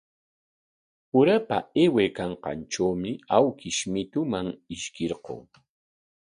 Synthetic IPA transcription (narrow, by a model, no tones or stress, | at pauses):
ʊɾapa̰ewekɑɴqɑ̰nʈ͡ʂawmɪawkɪʃmɪt̪ʊmaŋɪʃkɪɾqo̰ŋ